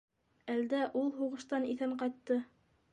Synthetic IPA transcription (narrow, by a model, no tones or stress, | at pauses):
æld̪æʔulˠɦuʁɤ̆ʃt̪ɑniθæɴqɑjt̪ːɤ